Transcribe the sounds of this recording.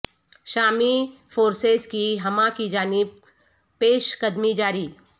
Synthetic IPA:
ʃaːmifoːɾseːzkiɦɐmãkid͡ʒaːnɪb | pːeːʃkɐd̪mid͡ʒaːɾiː

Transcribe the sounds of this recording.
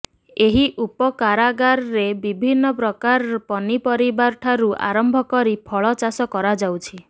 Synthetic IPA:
eɦiʔupɔkaɾaɡaɾɔɾebibʱinːɔpɾɔkaɾpɔnipɔɾibaɾʈʰaɾuʔa̰ɾɔmbʱɔkɔɾipʰɔɭɔt͡ʃasɔkɔɾad͡ʒawt͡ʃʰi

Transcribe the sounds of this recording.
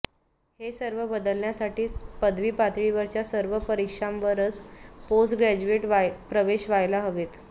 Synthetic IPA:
hesəɾʋəbəd̪əlɳjasaʈiːpəd̪ʋiːpat̪ɭiːʋəɾt͡ɕjasəɾʋəpəɾikʂãmʋəɾət͡sposʈɡɾæd͡ʑueʈʋpɾəʋeɕʋajlaɦəʋet̪

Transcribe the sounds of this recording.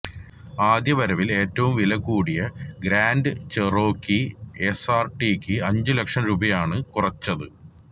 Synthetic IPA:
aːd̪jɐʋɐɾɐʋile̞ːtːɐʋumʋilɐkːuːɽijɐɡɾaːnɖɨt͡ɕero̞ːkːiesaːrʈikʲːɨɐɲd͡ʑɨlɐkʂɐmɾuːbɐjaːɳɨkurɐt͡ɕːɐðɨ

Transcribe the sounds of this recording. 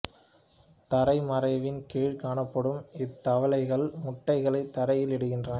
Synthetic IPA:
t̪ɐɾɐɪmɐɾɐɪʋɪnkeːɻkaːɳɐpːɐɽɯmɪt̪ːɐʋɐlɐɪɣɐɭmʊʈːɐɪɣɐɭɐɪt̪ːɐɾɐjɪlɛɽɯɣɪndrɐn

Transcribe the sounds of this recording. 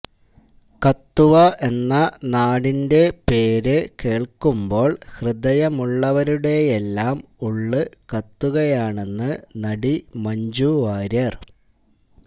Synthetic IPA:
kɐt̪ːuʋɐʔe̞nːɐnaːɽinde̞peːɾɨke̞ːɭkumbo̞ːɭhrɨd̪ɐjɐmuɭːɐʋɐɾuɽe̞jelːaːmuɭːɨkɐt̪ːuɣɐjaːɳe̞nːɨnɐɽimɐɲd͡ʑuʋaːɾɐr

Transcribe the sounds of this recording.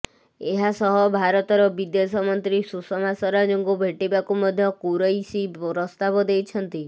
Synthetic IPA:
eɦasɔɦɔbʱaɾɔt̪ɔɾɔbid̪esɔmɔnt̪ɾisusɔmasɔɾad͡ʒoŋɡubʱeʈibakumɔd̪ʱjɔkuɾɔjsipɾɔst̪abɔd̪ejt͡ʃʰɔnt̪i

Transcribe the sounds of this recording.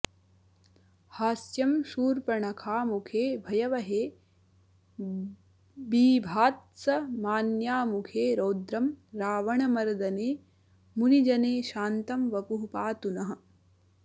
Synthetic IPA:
haːsjɐmʃuːɾpɐɳɐkʰaːmukʰeːbʱɐjɐʋɐɦeː | biːbʱaːt̪̚sɐmaːnjaːmukʰeːɾoːd̪ɾɐmɾaːʋɐɳɐmɐɾɐd̪ɐneː | munid͡ʒɐneːʃaːnt̪ɐmʋɐpuɦupaːt̪unɐɦɐ̆

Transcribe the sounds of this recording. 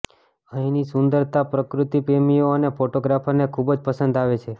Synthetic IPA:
əɦĩnisʊnd̪əɾt̪apɾəkɾut̪ipemijoənefoʈoɡɾafənekʰubd͡ʒpəsənd̪aʋet͡ʃʰe

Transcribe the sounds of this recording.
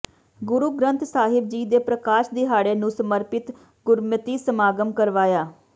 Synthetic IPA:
ɡʊɾuːɡɾənt̪ʰsaːɦɪb̚d͡ʒiːd̪eːpɾəkaːʃd̪iːɦaːɽeːnũːsəməɾpɪt̪ | ɡʊɾmət̪iːsəmaːɡəmkəɾʋaːjaː

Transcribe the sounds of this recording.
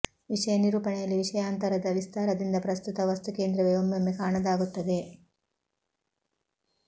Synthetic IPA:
ʋiʂɐjɐniɾuːpɐɳejɐlːiʋiʂɐjaːnt̪ɐɾɐd̪ɐʋist̪ʰaːɾɐd̪ind̪ɐpɾɐst̪ut̪ɐʋɐst̪uke̞ːnd̪ɾɐʋeʋɐmːɐmːekaːɳɐd̪aːɡut̪ːɐd̪e

